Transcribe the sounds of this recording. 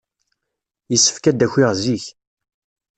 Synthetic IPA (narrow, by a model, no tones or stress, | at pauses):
jəsːə̥fkæd̪æçʷɪʁziç